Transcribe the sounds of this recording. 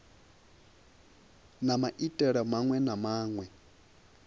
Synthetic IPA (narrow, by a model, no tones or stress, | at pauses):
namaʔitʼɛɺamaŋwɛnamaːŋwɛ